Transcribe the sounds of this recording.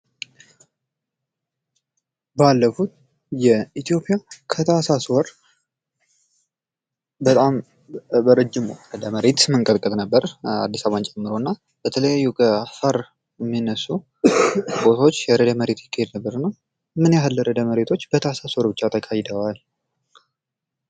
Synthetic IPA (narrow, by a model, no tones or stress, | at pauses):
balːəfut̪ | jɛit̪ʰijo̞pʼijakʰət̪ʰasaswɔɾ | bət̪ʼam | bəɾəd͡ʒːɪmɾəd̪əməɾet̪mɨŋkʼəlkʼət̪nəbːəɾa̰d̪ːisaβant͡ʃʼɛmːɨɾo̞nːa | b̥ət̪ʰələjajːukʰəafaɾ | jɛmːinːəsːu | bo̞t̪ʰo̞t͡ʃːjɛɾəd̪əməɾe̞t̪jɪkːahed̪nəbːəɾɨnːəw | mɨnjaɦalːəɾəd̪əməɾe̞t̪ʰo̞t͡ʃːb̥ət̪ʰəasaswɔɾbɨt͡ʃːat̪ʰəkʰajd̪əwal